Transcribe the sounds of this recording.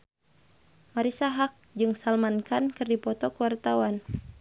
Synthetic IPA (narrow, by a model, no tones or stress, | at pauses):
maɾisaɦak̚d͡ʒɨŋsalmankankɨrdipɔt̪ɔkuwart̪awan